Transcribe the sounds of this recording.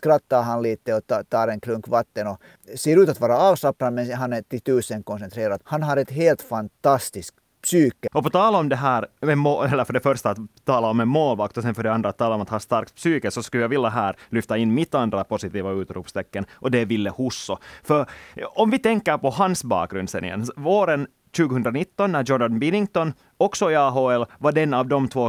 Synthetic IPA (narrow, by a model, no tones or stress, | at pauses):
kɾɑt̪ːɑɦɑnliːt̪ːəɔt̪ɑːɾɛŋkʰlɵŋkʋɑt̪ːənɔ | seːɾʉːt̪at̪ʋɑːɾaɑːlsɑpɾɑmɛnɦɑnæʈɪt̪ʉːsəŋkʰɔnsɛnt̪ɾeːɾad̪hɑnɦɑɾɛt̪ɦeːlt̪fɑnt̪ɑst̪ɪsk | psyːkːəɔpɔt̪ʰɑːlaɔmd̪ɛɦæːɾmɛmoɛlːəɾfœɖɛfœɾʂt̪aːt̪t̪ʰːɑːlaɔmɛnmoːlʋɑk̚t̪ɔsɛnfœɖɛɑnd̪ɾaːt̪ʰːɑːlɔmat̪hɑːst̪ɑɾk̚t̪̚psyːkəsɔskʉljaɡʋɪlːaɦæːɾlʏft̪aɪnːmɪt̪ːand̪ɾapʊsɪt̪iːvaʉ̟ːt̪ɾṵːpst̪ʰɛkːənʔɔd̪ɛvɪlːəhusːɔfœɾɔmvɪt̪ɛŋkːəɾpɔɦansbɑ̰ːkɡɾʉnd̪sɛ̰nːɪ̰jɛ̰nsvoːɾən | ɕʉːɡəhɵnd̪ɾanɪt̪ːɔnːæjɔnanbɪnɪŋt̪ɔn | ɔksɔɪɑːɦoːɛlvaɖɛnːavd̪ɔmt̪ʰvoː